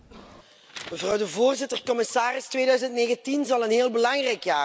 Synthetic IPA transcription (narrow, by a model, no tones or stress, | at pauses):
məvrɑwdəvoːrzɪtərkɔmɪsaːrɪstʋeːdœɥzəntneːɣəntinzɑlˠənɦeːlˠbəlɑŋrɛjkjaː